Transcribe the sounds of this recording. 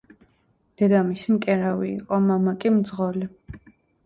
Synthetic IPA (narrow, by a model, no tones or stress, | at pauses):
d̪̥ɛd̪amismkʼɛɾawḭːqʼɔmamakʼimd̪zʁɔli